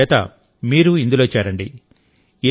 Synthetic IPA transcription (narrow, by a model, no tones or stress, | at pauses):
ɛːt̪ɐ̰ | miːɾuind̪ulo̞ːt͡ʃɛːɾɐɳɖi | e